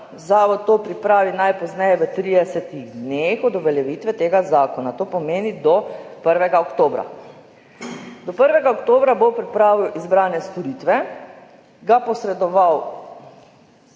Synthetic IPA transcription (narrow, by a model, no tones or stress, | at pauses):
zaːʋɔt̪̚t̪ːoːpɾipɾaːʋinajpɔznɛjɛʋət̪ɾid̪ɛsɛt̪iɣd̪nexɔd̪ɔʋɛljɛʋit̪ʋɛt̪eːɡazaːkɔnat̪oːpɔmeːnid̪ɔpəɾʋɛɡaɔkt̪oːbɾa̰ | d̪ɔpəɾʋɛɡaɔkt̪oːbɾabopɾipɾaːʋiwʔizbɾaːnɛst̪ɔɾit̪ʋɛ | ɡapɔsɾɛd̪ɔʋaw